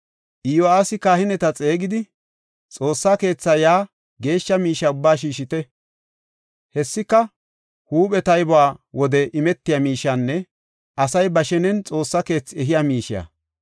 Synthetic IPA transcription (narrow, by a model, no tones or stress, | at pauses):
ʔɪjoaːsɪkaːhɪnɛt̪ɐt͡sʼe̞ːɡɪd̪ɪ | t͡sʼo̞ːsːake̞ːt͡sːɐjaː | ɡe̞ːʃːɐmiːʃɐʊbːaːʃ̬iːʃɪt̪ɛ | hɛsːɪkːɐ | huːpɛt̪ɐjbʊwaːwɔd̪ɛʔɪmɛt̪ːɪjamiːʃɐnːɛ | ɐsɐjbɐʃɛnɛnt͡sʼo̞ːsːɐke̞ːt͡sːɛɦɪjamiːʃɪja̰